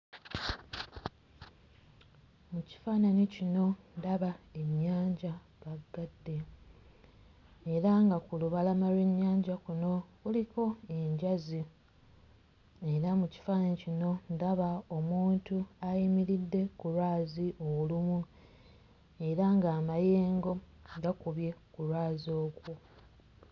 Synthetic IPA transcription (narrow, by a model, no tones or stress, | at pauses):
muci̥faːnanicino̞ndaβae̞ɲːaːɲɟa | βaɡːadːe̞ | ɾaŋɡakuluβalamalwe̞ɲːaːɲɟakuno̞kuliko̞e̞ɲɟazi | e̞ɾamuci̥fanecino̞ndaβao̞muːntuajimiɾidːe̞kuɾwaːziʔolumu | e̞ɾaŋɡaːmaje̞ːŋɡo̞ | ɡakuβje̞kuɾwaːzo̞ːkwu